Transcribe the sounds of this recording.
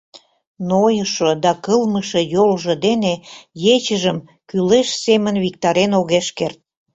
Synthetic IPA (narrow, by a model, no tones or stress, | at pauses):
nojəʃod̪ɑkəlməʃĕjolʒə̆d̪enejet͡ɕəʒəm | kyleʃsemənβik̚t̪ɑɾenoɣeʃkert̪̚